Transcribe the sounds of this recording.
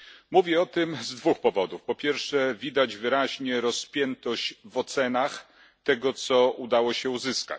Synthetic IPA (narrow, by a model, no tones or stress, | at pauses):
muvʲjɛɔt̪ɘmzd̪vuxpɔvɔd̪ufpɔpʲjɛɾfʂɛvʲid̪ad͡ʑvɘɾaʑɲɛɾɔspʲjɛnt̪ɔɕvɔt̪sɛnax | t̪ɛɡɔt̪sɔʔud̪awɔɕɛuzɘska̰